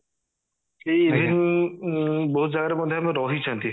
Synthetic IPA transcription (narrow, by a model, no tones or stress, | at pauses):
kedʱin | bɔɦut̪̚d͡ʒaɡaɾemɔd̪ʱːeamẽɾɔɦit͡ʃʰãnt̪i